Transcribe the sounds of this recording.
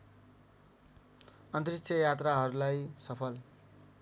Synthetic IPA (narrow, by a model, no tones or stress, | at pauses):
ʌnt̪rikt͡sʰjʌjat̪raɦʌɾulajsʌpʰʌl